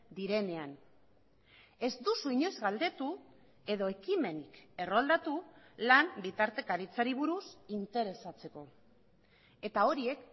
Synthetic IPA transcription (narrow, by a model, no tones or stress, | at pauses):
d̪iɾe̞ne̞an | e̞zd̪usuiɲo̞zɣald̪e̞t̪u | e̞ðo̞e̞kime̞nike̞roald̪at̪ulambit̪aɾt̪e̞kaɾit͡saɾiβ̞uɾusint̪e̞ɾe̞sat͡se̞ko̞ | e̞t̪ao̞ɾie̞k